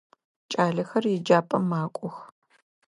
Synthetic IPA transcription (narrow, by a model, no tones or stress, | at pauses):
t͡ʃʼaːɮɐxɐrjɪd͡ʒaːpʼɐmaːkʷʼɔx